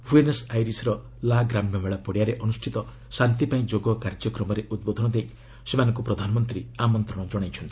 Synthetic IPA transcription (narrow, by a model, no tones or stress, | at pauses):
buenesajɾisɾɔ | laɡɾamjɔmeɭapɔɽijaɾeʔɔnusʈʰit̪ɔ | sant̪ipaĩd͡ʒoɡɔkaɾd͡ʒɔkɾɔmɔɾeʔud̪̚bod̪ʱɔñɔd̪ej | semanɔ̃ŋkupɾɔd̪ʱanɔmɔnt̪ɾiamɔnt̪ɾɔɽ̃ɔd͡ʒɔɽajt͡ʃʰɔnt̪i̥